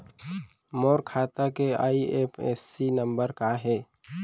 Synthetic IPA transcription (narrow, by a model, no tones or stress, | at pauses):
moːɾkʰaːt̪akea̰ːieːpʰḛːsːinə̃mbəɾkaɦɛː